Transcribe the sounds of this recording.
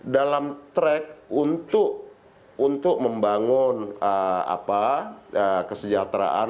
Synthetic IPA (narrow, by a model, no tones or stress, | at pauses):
dalamt̪ɾɛk̚unt̪ʊk | unt̪ʊk̚məmbaŋʊnəa̰paəkəsəd͡ʒat̪ɾa̰ʔa̰